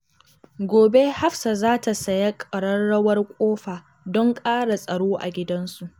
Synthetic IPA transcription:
ɡʷoː˨be˦ha˦ɸsa˨zaː˦ta˨sɐ˨ja˦kʼɐ˨ɽɐ˦nɽɐ˦wɐ˦rkʷʼoː˦ɸaː˨ | dɔ˦ŋkʼaː˦ɽa˨sʼɐ˨ɽoː˦ʔa̰˨ɡʲɪ˦dɐ˦nsu˨ʔ

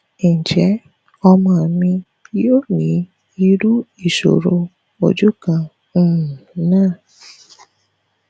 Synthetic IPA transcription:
ĩ˨d͡ʒɛ˨˦ | ɔ˧mã˦a˨mĩ˧ | jo˦nĩ˨˦ | i˧ɾu˦i˦˨ʃo̰˨ɾo˧ | o̰˧d͡ʒu˦kã˧˦˨ | nãː˦˨

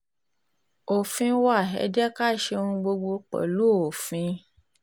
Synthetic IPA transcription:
o˨fĩ˧wa˦˨ɦɛ̰˧˦d͡ʒɛ˦ka˦˨ʃe˧ũ˧ɡ͡bo˧ɡ͡bo˧k͡pɛ̰˨lu˦o˨fĩ˧˦

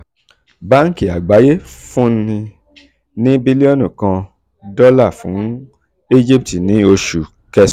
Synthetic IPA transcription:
ba˦n̩˦ki˨a˨ɡ͡ba˨˦je˦fũ˦nĩ˧ | nĩ˦bi˦li˦ɔ˦nũ˨kã˧ | dɔ˦la˦˨fũ˨˦ | i˦d͡ʒi˦p̚ti˨nĩ˨˦o˧ʃu˨ | kɛ˧s

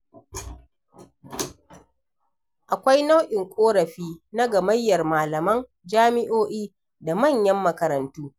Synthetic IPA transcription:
ʔa˨kʷa˦jna˦wʔɪ˨ŋkʷʼoː˦ɾɐ˨ɸiː˦na˦ɡɐ˨mɐ˦jːɐ˨rmaː˨lɐ˨mɐ˦n | d͡ʒaː˦mɪ˦ʔoː˦ʔiː˦ | da˨mɐ˦˨ɲjɐ˦mːɐ˨kɐ˨ɾɐ˨ntuː˦

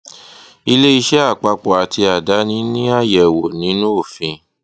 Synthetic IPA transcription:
i˧le˦i˧ʃɛ˦a˦˨k͡pa˧k͡pɔ˨a˨˦ti˧a˨da˨˦nĩ˨˦nĩ˦a˦˨jɛ˨wo˨nĩ˨˦nũ˦o˦˨fĩ˧

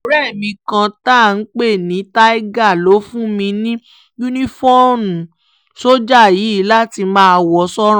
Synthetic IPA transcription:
o˦ɾɛ˦˨mĩ˧kã˧ta˦˨n̩˨˦k͡pe˦˨nĩ˨˦ta˦i˦ɡa˦˨lo˨˦fũ˦mĩ˧nĩ˦ | ju˦nĩ˦fɔ˦o˦˨nũ˨ | so˦d͡ʒa˦˨ji˨˦˨la˦ti˧mãː˦˧wɔ˧sɔ˦ɾ̃

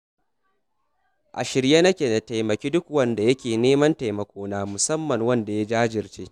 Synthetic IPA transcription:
ʔa̰˨ʃɪ˨ɾje˦nɐ˦kʲeː˨nɐ˨ta˨jmɐ˨kʲiː˦dʊ˦kwɐ˦nda˨jɐ˦kʲeː˨neː˦mɐ˦nta˨jmɐ˨kʷoː˦naː˦mʊ˨sɐ˦mːɐ˨ŋwɐ˦nda˨ja˦d͡ʒaː˦d͡ʒɪ˨rt͡ʃeː˦

